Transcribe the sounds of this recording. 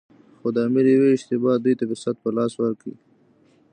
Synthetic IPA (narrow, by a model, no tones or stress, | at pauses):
xod̪əamɪɾjaweɪʃt̪ɪbɑd̪ujt̪abɪsat̪̚pəlɑːswəɾkḭ